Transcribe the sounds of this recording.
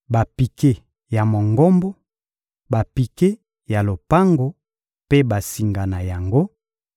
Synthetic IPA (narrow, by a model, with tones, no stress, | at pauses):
ba˨pi˨ke˦ | ja˨mo˨ŋɡɔ˦mbɔ˦ | ba˨pi˨ke˦ | ja˨lo˨pa˦ŋɡo˨ | pe˦ba˨si˨ŋɡa˨na˨ja˨ŋɡo˦